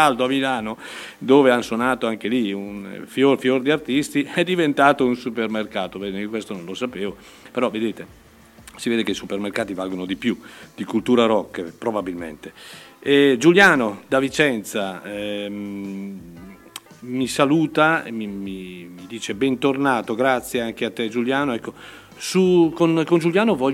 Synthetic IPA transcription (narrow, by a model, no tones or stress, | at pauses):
ald̪oamilaːnod̪oːveanswonaːt̪oaŋkeliunfjorfjord̪iart̪ist̪iɛd̪ivent̪aːt̪ounsupermerkaːt̪ovɛd̪kwest̪ononlosapeːvo | peɾɔved̪eːt̪e | siveːd̪ekeisupermerkaːt̪ivalɡonod̪ipjud̪̥ikult̪uːɾaɾɔkːpɾobabilmḛnt̪eɛd͡ʒuljaːnod̪avit͡ʃɛnt̪sa | misaluːt̪aḛmimimid̪iːt͡ʃebɛnt̪ornaːt̪oɡɾat̪sːjeaŋkeat̪ːed͡ʒuljaːnoɛkːo | sukonkond͡ʒuljaːnovɔ